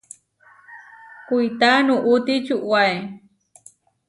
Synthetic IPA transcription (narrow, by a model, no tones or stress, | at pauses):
kujt̪anuʔut̪it͡ʃuʔwae